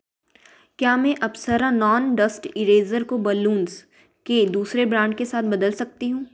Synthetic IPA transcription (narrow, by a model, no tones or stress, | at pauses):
kjaːmɛ̃ʔɐbsəɾãnɔːnɖəsʈɪɾeːzəɾkobəlũːns | ked̪uːsɾebɾãːɳɖkesaːt̪̚ʰbɐd̪əlsɐk̚t̪iɦũː